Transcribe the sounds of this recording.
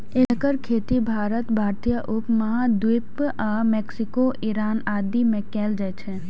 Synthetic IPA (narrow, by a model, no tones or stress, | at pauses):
ɪləkəɾkʰeːt̪ibʱaːɾət̪bʱaːɾt̪ijəʔʊpmɐɦad̪wɪpamɛːksɪkoʔiɾaːnaːd̪imẽkɛːld͡ʒaɛt͡ʃʰɛ